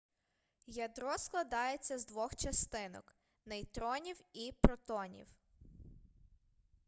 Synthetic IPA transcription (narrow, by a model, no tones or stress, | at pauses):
jɐd̪ɾɔsklˠɐd̪ɑjet͡sʲːɐzd̪ʋɔxt͡ʃɐst̪ɪnɔ̰k | nɐjt̪ɾɔnʲiwipɾɔt̪ɔnʲḭw